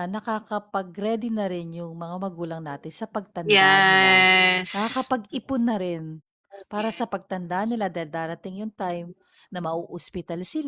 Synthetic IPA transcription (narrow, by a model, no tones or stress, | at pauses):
nɐkakɐpɐɡɾɛd̪ɪnɐɾɪnjʊŋmɐŋamɐɡuːlɐŋnaːt̪ɪnsɐpɐɡ̚t̪ɐnj̪ɛa | nɐkakɐpɐɡɪpʊnːɐɾɪn | paːɾɐsɐpɐɡ̚t̪ɐnd̪anɪlad̪aːhɪld̪aːɾɐt̪ɪŋjʊŋt̪ajm | nɐmɐʔoʔospɪt̪alsɪla